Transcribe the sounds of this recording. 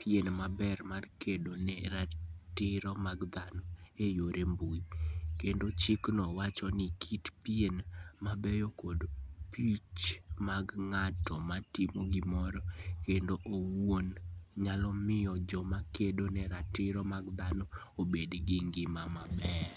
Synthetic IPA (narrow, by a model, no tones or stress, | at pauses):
pienmabɛrmarkedonɛɾatɪɾɔmaɡd̪anɔejoɾembuikendot͡ʃɪknɔwat͡ʃɔnɪkʰitpienmabɛjokodpit͡ʃmaɡŋatɔmatɪmoɡɪmɔɾɔkendoʔowonɲalɔmɪjɔd͡ʒɔmakedonɛɾatɪɾɔmaɡd̪anɔ | obedɡɪŋɡɪmamabɛr